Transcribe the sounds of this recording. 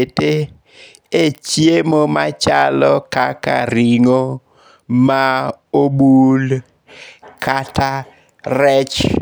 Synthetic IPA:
ete | et͡ʃjemomat͡ʃalɔkaka̰ɾiŋo | ma | obul | kʰata | ɾɛt͡ʃ

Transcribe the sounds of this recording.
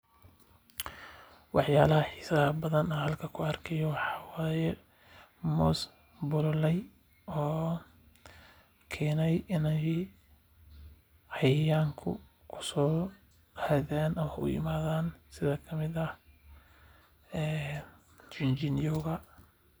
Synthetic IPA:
wɑħjaːlɐhɐħiːsɐɐbɐðɐnɐhɐlkʰɐkʰʊɐrkʰɛjɔwɑħɑːwaːjɛ | mɔs | bʊllɛj | ɔː | kʰɛːnɛjɪnɛj | hɑjjaːŋkʰʊ̰ | kʰʊ̥sɔː | aðaːnʔɐmɐʊ̰jɪ̰maːðaːnsɪðɐkʰɐmɪðɐ | ɛː | t͡ʃɪnt͡ʃɪnjɔɣɐ

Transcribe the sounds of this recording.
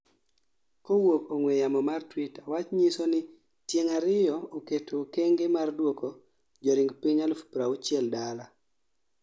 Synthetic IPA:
kowokoŋwɛjamɔmartwitawat͡ʃɲisonɪ | tjeŋaɾɪjɔoketʰokeŋɡemardwoko | d͡ʒɔɾɪŋɡpiɲalfu̥pɾaut͡ʃɛldala

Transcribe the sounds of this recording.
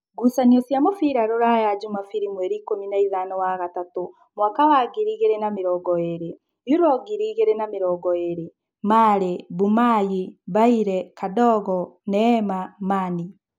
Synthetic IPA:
ɡusaniɔsjamofiɾaɾoɾajad͡ʒumafiɾimwɛɾiːkominaiðanɔwaɣatato | mwakawaɡiɾiɣeɾenameɾɔɡɔeɾe | juɾɔɡiɾiːɣeɾenameɾɔɡɔeɾe | maːɾebumajibaiɾɛkadɔɣɔnɛmamani

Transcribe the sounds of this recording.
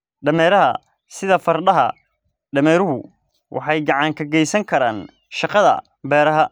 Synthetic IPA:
ɖɐmɛːɾɐɦɐ̰ | sɪðɐfɐrɖɐɦɐ̰ | ɖɐmɛːɾʊɦʊ | wʔɑ̰ħɑjɡɑʕɑŋkʰɐɡɛjsɐŋkʰɐɾaːn | ʃɑqɑðɐ̰ | bɛːɾɐɦɐ

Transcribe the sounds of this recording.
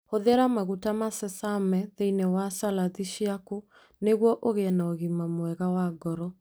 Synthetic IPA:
hoðeɾamaɣutamasɛsamɛðeinewasalaðiʃiako | neɣwɔʔoɣeɛnaoɣimamwɛɣawaɡɔɾɔ

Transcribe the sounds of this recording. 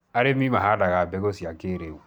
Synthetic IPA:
aɾemĩmaɦadaɣabɛɡosiakeɾewu

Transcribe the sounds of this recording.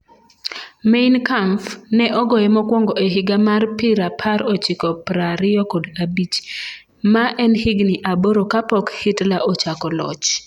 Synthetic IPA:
meɪnkampnɛʔɔɡɔjɛmɔkwɔŋɡɔeɦɪɡamarpɪɾapʰaɾɔt͡ʃɪkɔpɾaɾɪɔkodabit͡ʃ | maʔɛnhiɡniʔaboɾokapɔkhɪtlaʔot͡ʃakɔlɔ̰t͡ʃ

